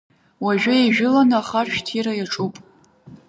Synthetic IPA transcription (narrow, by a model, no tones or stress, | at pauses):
waʒᶣajeʒᶣʊlanaaχaʃᶣtʰiɾajaʈ͡ʂʰʼupʼ